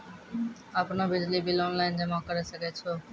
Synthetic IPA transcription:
apnabɪd͡ʒlibilɔnlaɪnd͡ʑɛmɔ̃kəɾesəket͡ʃʰo

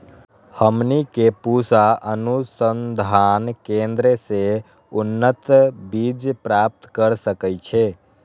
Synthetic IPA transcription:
həmnikepusaənusənd̪ʱankẽnd̪ɾese | unːət̪bid͡ʒpɾap̚t̪kəɾsəkɛjt͡ʃʰe

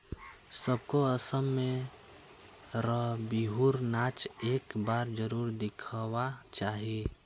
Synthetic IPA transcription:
səb̚koəsəmːẽ | ɾəbiɦuɾnaːt͡ʃeːkbaːɾd͡ʒəɾuːɾd̪ɪkʰwat͡ʃaːɦie

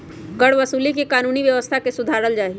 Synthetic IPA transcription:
ɡəɽʋəsuːlikikaːnuːniʋjəʋəst̪ʰakesʊd̪ʱaːɾəld͡ʒaːi

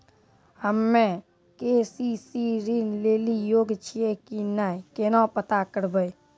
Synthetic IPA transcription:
həmːẽ | kesisiɾinleːlijoːɡt͡ʃʰiekinajkenɔ̃pət̪akəɾbəj

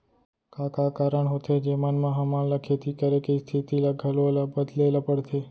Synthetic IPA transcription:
kakakaɾəɳɦot̪ʰed͡ʒemanmãɦamãləkʰet̪ikəɾekest̪ʰit̪ilaɡʱəlolabəd̪lelapəɽt̪ʰe

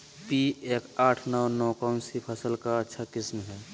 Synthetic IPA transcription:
piekaːʈʰnəwnɔːkaʊnsipʰəsəlkaətːʃʰakismɦɛː

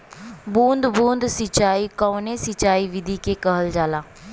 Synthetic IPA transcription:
bũːnd̪bũːnd̪sɪt͡ʃaːikaːnesɪt͡ʃaːiʋɪd̪ʱikekəɦəld͡ʒaːlaː

